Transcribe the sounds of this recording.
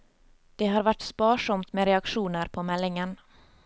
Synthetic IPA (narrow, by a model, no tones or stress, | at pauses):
d̪̥ɛɦaɾvaʈːspɑːʂɔmt̪meːɾɛakɧuːnəɾpʰɔmɛlːɪŋən